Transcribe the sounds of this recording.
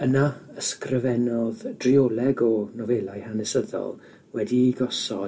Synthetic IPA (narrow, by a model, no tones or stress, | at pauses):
ənaəskrɪvɛnɔðd̥riolˠɛɡɔnɔvɛlˠajhanɛsəðɔ̰lˠ | wɛdiɡɔsɔ̰